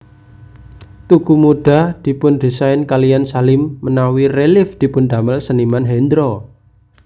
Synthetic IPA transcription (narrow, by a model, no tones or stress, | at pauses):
t̪uɡ̥umuɖ̥a̤d̪̥i̤pʊnd̪̥i̤saɪnkalijansalɪmːənawirelɪfd̪̥i̤pʊnd̪a̤məlsənimanɦɛnd̪ɾɔ